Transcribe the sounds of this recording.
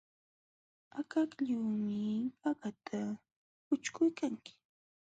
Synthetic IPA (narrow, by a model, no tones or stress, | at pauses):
akakʎuːmɪpaɢat̪ʰa | pʊt͡ʃkʊjkaŋkɪ̥